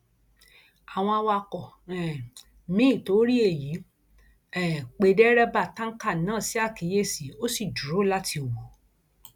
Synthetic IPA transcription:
a˨w̃ɔ̃˧a˧wa˧kɔ˨ | ɛ˨ | mĩ˦˨to˨˦ɾi˦e˦˨ji˨˦ | ɛ˨k͡pe˧dɛ˦ɾɛ˦ba˦˨tã˦ka˦˨nãː˨˦˨si˨˦a˦˨ki˨˦je˦˨si˨o˦si˦˨d͡ʒu˨ɾo˨˦la˦tʰi˧o˨wo˨

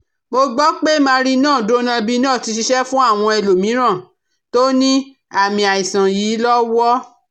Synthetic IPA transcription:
mo˧ɡ͡bɔ˦k͡pe˦mãː˧ɾi˦nãː˦˨do˦nã˧bi˦nãː˦˨ti˧ʃ̬i˧ʃɛ˦fũ˦a˦˨w̃ɔ̃˧e˧lo˨mĩ˨˦ɾ̃ã˦˨ | to˦nĩ˦ | a˦˨mĩ˧a˨i˨sã˨jiː˨˦lɔ˦wɔ˦

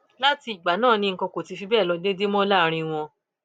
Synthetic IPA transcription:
la˦ti˧i˨ɡ͡ba˨˦nãː˦˨nĩ˧ŋ̩˨kɔ̃˧ko˨ti˧fi˧bɛː˦˨lɔ˧de˦de˦mɔ̃˦la˦˨˦ɾ̃ĩ˧w̃ɔ̃˧

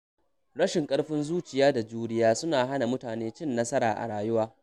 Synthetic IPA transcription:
ɽɐ˦ʃɪ˨ŋkʼɐ˦ɽɸɪ˦nzuː˦t͡ʃɪ˨jaː˦da˨d͡ʒuː˦ɽɪ˦jaː˦sʊ˦naː˨ɦa˦na˨mʊ˦taː˨neː˦t͡ʃɪ˦nːɐ˦sɐ˦ɽaː˨ʔa̰˨ɽaː˨jʊ˦waː˦

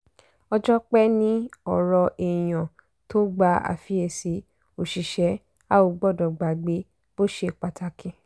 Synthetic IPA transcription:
ɔ˧d͡ʒɔ˦k͡pɛ˦nĩ˦ɔ˨ɾɔ˧ʔi˨j̃ã˨ | to˦ɡ͡ba˧˦a̰˨fi˨˦e˧˨si˨˦ | o˨ʃi˨ʃɛ˨˦ | a˦o˧˨ɡ͡bɔ˦˨dɔ˨ɡ͡ba˨ɡ͡be˨˦ | b̥o˦ʃe˦˨k͡pa˧ta˧kʰĩ˧˦

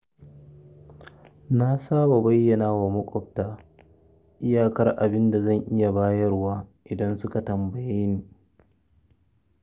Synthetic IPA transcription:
na˦saː˦ba˨bɐ˦jːɐ˨naː˦wa˨mɐ˦kʷʼɔ˦˨ɸ̚taː˦ | ʔɪ˦jaː˦˨kɐ˦rʔa̰˨bɪ˦nda˨zɐ˦˨ŋʔɪ˦ja˨baː˦jɐ˦rwaː˦ʔɪ˨dɐ˦nsʊ˦ka˨tɐ˨mbɐ˨jeː˦niː˨

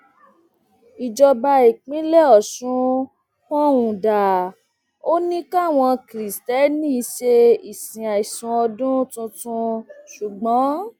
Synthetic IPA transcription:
i˨d͡ʒɔ˧ba˧i˨k͡pĩ˨˦lɛ˦ɔ˨ʃũ˨˦ | fɔ̃˦wũ˨da˨ | o˦nĩ˦ka˦˨w̃ɔ̃˧kɾi˨stɛ˨˦nĩ˦i˧ʃe˧i˨sĩ˨a˨i˨sũ˧ɔ˧dũ˦tũ˧tũ˧ʃu˨ɡ͡bɔ̃˨˦

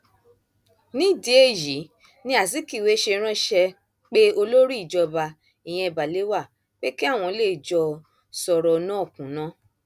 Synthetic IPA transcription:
nĩ˦˨di˧e˧˨ji˨˦ | nĩ˦a˨si˨˦ki˦˨we˨˦ʃe˧ɾ̃ã˦ʃɛ˧ | k͡pe˦o˧lo˦ɾi˦˨d͡ʒɔ˧ba˧ | i˨j̃ɛ̃˧i˧ba˨le˨˦wa˦˨ | k͡pe˦ki˦a˦˨w̃ɔ̃˧le˦˨d͡ʒɔ˧ | sɔ˧ɾɔ˧nã˦˨kũ˨˦nã˦

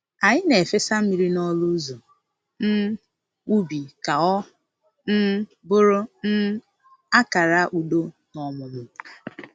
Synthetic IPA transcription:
a˨ɲɪ˦ne˨fe˦sa˦m̩˦mi˦ɾi˦nɔ˦lu˦zo˨ | n̩˦ | u˦bi˨ka˨ɔ˦ | n̩˦ | bʊ˦ɾʊ˦n̩˦ | a˦ka˨ɾa˦ʔu˨do˦ | nɔ˨mʊ˨mʊ˨

